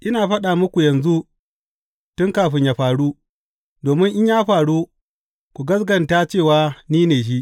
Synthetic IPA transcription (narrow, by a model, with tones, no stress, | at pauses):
ʔɪ˦naː˨ɸɐ˦ɗa˨mʊ˦kʷu˨jɐ˨nzu˦ | tʊ˦ŋkaː˨ɸɪ˦ɲjaː˨ɸaː˨ɽu˦ | doː˨mɪ˦ŋʔɪ˦ɲjaː˦ɸaː˨ɽu˦ | kʷu˨ɡɐ˦s̬ɡɐ˨ntaː˦t͡ʃeː˦˨waː˨˦niː˦neː˨ʃ̬i˦ʔ